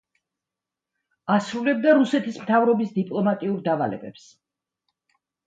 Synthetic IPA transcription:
asɾulɛb̚d̪aɾusɛt̪ʰismt̪ʰavɾɔbisd̪ipʼlˠɔmat̪ʼiuɾd̪ava̰lɛ̰bɛ̰ps

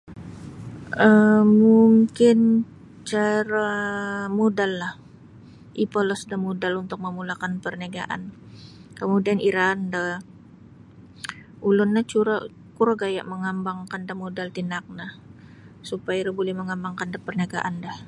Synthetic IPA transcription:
ʔəmuŋkɪn | t͡ʃaɾamodalːah | ʔipolɔsdahmodalunt̪ʊk̚məmulakanpərnaɡa̰ʔa̰n | kəmudianiɾandah | ulʊnːat͡ʃuɾa | kuɾaɡaja̰ʔməŋambaŋkandamodalt̪inak̚nah | supajaɾabolɛhməŋambaŋkandapərnaɡa̰ʔandah

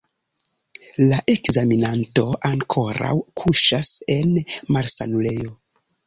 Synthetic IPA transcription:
laʔe̞kzaminanto̞ʔaŋkʰo̞ɾa̰wkʰuʃase̞nmaɾsa̰nule̞jo

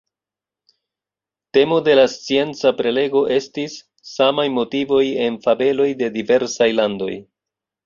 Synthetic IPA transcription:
te̞mo̞de̞last͡sie̞nt͡sapɾe̞le̞ɡo̞ʔe̞stisː | amajmo̞tivo̞je̞nfabe̞lo̞jde̞dive̞ɾsajlando̞̰j

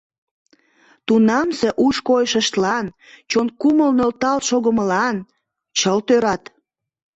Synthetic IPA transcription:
t̪unɑmse̽ʔuʃkojəʃəʃt̪lɑn | t͡ɕonkuməlnølt̪ɑlʃoɣəməlɑn | t͡ɕəlt̪øɾɑt̪

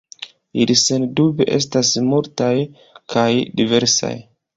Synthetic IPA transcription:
ilisendubeʔe̞̰stasmultaj | kʰajdive̞ɾsa̰j

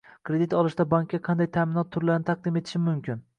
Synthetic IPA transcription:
kʲʰɾe̞d̪it̪ɒlˠɪʃt̪abaŋkʲːaqʰɑnd̪ajt̪ʰaːmɪnɒt̪ʰːʊɾlaɾnɪt̪ʰaq̚d̪ɪmet̪ʰɪ̥ʃɪmʊmkʰʲɪn

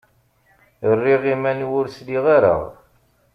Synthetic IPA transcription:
ərːiʁimænwʊɾsliʁaɾə̰ʁ

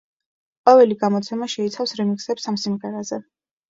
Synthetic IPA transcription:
qʼɔvɛliɡamɔt̪sʰɛmaʃɛit̪sʰafsɾɛmiksɛpsamsimʁɛɾazɛ

